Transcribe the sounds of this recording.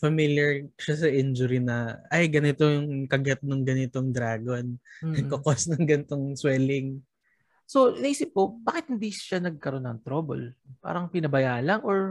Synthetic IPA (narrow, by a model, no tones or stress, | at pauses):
fɐmiljɐɹʃasɐʔɪnd͡ʒʊɾinɐʔɐjɡɐnɪt̪o̞jʊŋkɐɡɛt̪̚noŋɡɐnɪt̪oŋd̪ɾaːɡonnɐɡkːokosnɐŋɡɐnt̪oŋswɛːlɪŋ | so̞nɐʔiːsɪp̚kobaːkɪt̪hɪnd̪iʃanɐɡ̚kɐɾo̞nɐŋt̪ɾobo̰lpa̰ːɾɐŋpɪnɐbɐjaːʔlɐŋʔoɹ